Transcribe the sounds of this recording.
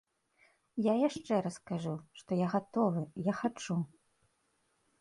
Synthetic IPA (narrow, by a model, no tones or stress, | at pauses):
jajaʂt͡ʂɛɾɐskaʐuʂt̪ɔjaɣat̪ɔvɨjaxat͡ʂu